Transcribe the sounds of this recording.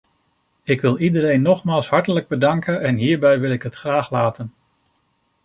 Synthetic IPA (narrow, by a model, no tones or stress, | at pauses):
ɪkʋɪlˠidəɾejnːɔχmaːlˠsɦɑɹtələɡ̚bədɑŋkənɛnɦiːɹbɛjʋɪlˠɪkɦətχraːχlaːtən